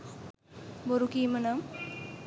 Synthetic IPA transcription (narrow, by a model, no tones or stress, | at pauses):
boɾukiːmənam